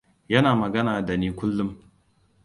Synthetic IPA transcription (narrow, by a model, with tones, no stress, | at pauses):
jɐ˦naː˨mɐ˨ɡɐ˦naː˨da˨niː˦kʷʊ˦lːʊ˦m